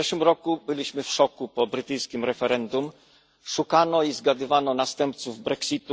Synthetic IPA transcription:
ɛʂwɘmɾɔkubɘlʲiɕmɘfʂɔkupɔbɾɘt̪ɘjskʲimɾɛfɛɾɛnd̪um | ʂukanɔizɡad̪ɘvanɔnast̪ɛmpt̪suvbɾɛksʲit̪u

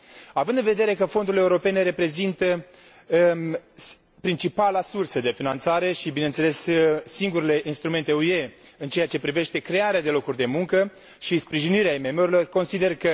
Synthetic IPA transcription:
avɨnd̪ɨnve̞d̪e̞ɾe̞kəfo̞nd̪uile̞uɾo̞pe̞ne̞ɾe̞pɾe̞zint̪ə | pɾint͡ʃipalasursəd̪e̞finant̪saɾe̞ʃibine̞nt̪se̞le̞sːiŋɡuɾele̞ʔinst̪ɾume̞nt̪e̞ue̞ɨnt͡ʃe̞jat͡ʃe̞pɾive̞ʃt̪e̞kɾe̞aɾead̪e̞lo̞kurʲd̪e̞muŋkə | ʃispɾiʒiniɾeaime̞me̞uɾilo̞rko̞nsid̪e̞rkə

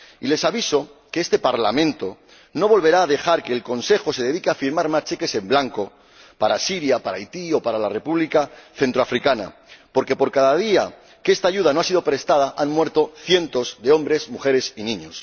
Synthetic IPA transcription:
ile̞saβiso̞keest̪e̞paɾlamẽnt̪o̞ | no̞β̞o̞lβe̞ɾaːðe̞xaɾke̞ːlko̞nse̞xo̞se̞ðe̞ðikeafiɾmaɾmast͡ʃe̞ke̞se̞mblaŋko̞ | paɾasiɾjapaɾajt̪io̞paɾalare̞puβlikaθe̞nt̪ɾoafɾikana̰po̞ɾke̞po̞ɾkaðað̞ia | kest̪aːʝuð̞ano̞asið̞o̞pɾe̞st̪að̞aʔanmwe̞ɾt̪o̞θje̞nt̪o̞zðe̞õ̞mbɾe̞zmuxe̞ɾe̞sinĩɲo̞̰s

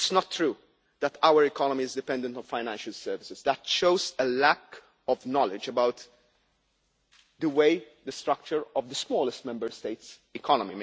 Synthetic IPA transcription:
ɪtsnɔt̪ːɾuː | d̪æt̪ʰawəɾɪkɔnɔmiɪzd̪ɪpɛ̃nd̪ə̃ntɔ̃nfaɪnæ̃nʃəlsɛːɾvɪsɪzd̪ætʃoʊzəlæk | ɔvnɔlɪd͡ʒəbawt̪ | d̪əweɪd̪əst̪ɾʌk̚t͡ʃəɹɔvd̪əsmɔːləstmɛ̃mbəɾst̪eɪtsɪkʰɔnɔmim

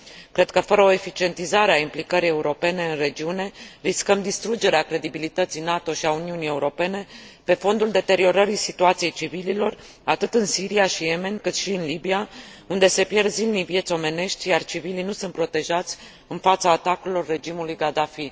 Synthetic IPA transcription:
kɾe̞d̪̥̚kəfəɾəo̞e̞fit͡ʃie̞nt̪izaɾeaimplikəɾije̞uɾo̞pe̞ne̞ɨnre̞d͡ʒiune̞ɾiskəmd̪ist̪ɾud͡ʒe̞ɾeakɾe̞d̪ibilit̪ət̪sijnat̪o̞ʃiauniunije̞uɾo̞pe̞ne̞pe̞fo̞nd̪uld̪e̞t̪e̞ɾio̞ɾəɾisit̪uat̪sije̞jt͡ʃivililo̞r | at̪ɨt̪ɨnsiɾiaʃije̞me̞nkɨt̪ʃiɨnlibiaund̪e̞se̞pje̞rzilnivje̞t̪sʲo̞me̞ne̞ʃt̪ʲjart͡ʃivilinusunt̪pɾo̞t̪e̞ʒat̪sʲ | ɨnfat̪saːt̪akuilo̞rːe̞d͡ʒimulujɡad̪afi

